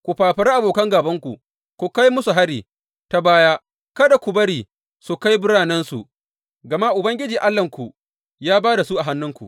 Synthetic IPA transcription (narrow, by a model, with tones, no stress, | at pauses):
kʷu˨ɸaː˨ɸɐ˨ɾa˦ʔa˨boː˨kɐ˦ŋɡaː˨bɐ˦ŋkʷṵ˨ | kʷu˨ka˦jmʊ˦su˨ɦa˦ɽiː˨ | ta˦baː˦jaː˦ | kɐ˦da˨kʷu˨bɐ˦ɽiː˨ | su˨ka˦jbʊ˦ɽaː˨nɛ˦nsṵ˨ | ɡɐ˨ma˦ʔʊ˨bɐ˦ŋɡʲɪ˦d͡ʒiː˨ʔa˦lːɐ˨ŋkʷu˨ʔ | jaː˦baː˦da˨su˦ʔa˨ɦa˦nːʊ˦ŋkʷṵ˨ʔ